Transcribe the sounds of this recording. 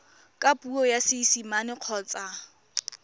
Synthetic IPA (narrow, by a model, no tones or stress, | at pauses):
kʼapʼuɔjasɪsimanɪq͡χʰɔːt͡sʼa